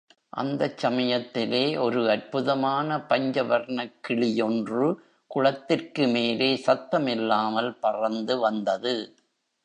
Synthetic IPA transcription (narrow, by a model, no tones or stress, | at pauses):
ʔɐ̰nd̪ɐt͡ʃːɐmɐjɐt̪ːɪleːʔɔɾɯɐɾpɯðɐmaːnɐpɐɲd͡ʒɐʋɐɾɳɐkːɪɭɪjɔndrɯ | kʊɻɐt̪ːɪrkɯmeːleːsɐt̪ːɐmɪlːaːmɐlpɐrɐnd̪ɯʋɐnd̪ɐðɯ